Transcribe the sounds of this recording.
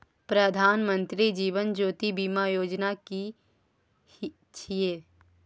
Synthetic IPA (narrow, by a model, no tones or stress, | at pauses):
pɾəd̪ʱaːnmə̃nt̪ɾid͡ʒiːʋənd͡ʒoːt̪ibiːmajoːd͡ʒnaki | t͡ʃʰieː